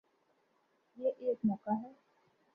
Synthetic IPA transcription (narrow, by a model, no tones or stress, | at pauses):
jeʔeːkmɔːkaɦɛː